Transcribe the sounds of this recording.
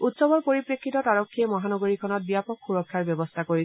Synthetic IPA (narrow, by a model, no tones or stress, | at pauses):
utsɔbɔɹpoɹipɹekːitɔtaɹɔkʰːiɛmɔɦanɔɡoɹikʰɔnɔt̚bijapɔkʰːuɹɔkʰːaɹbjɔbɔstʰakoɹi